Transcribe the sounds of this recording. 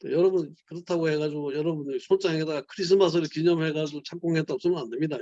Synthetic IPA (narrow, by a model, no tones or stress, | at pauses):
t͈ojʌɾʌbunkɯɾʌtʰaɡohe̞ɡad͡ʑiɡojʌɾʌbunsʰot͡ɕ͈aŋedaɡakʰɯɾis̬ʰɯmas̬ʰɯɾɯɭkiɲʌmɦe̞ɡad͡ʑiɡot͡ɕʰaŋk͈oŋɦet͈aɡos͈ɯmʌnande̞mɲida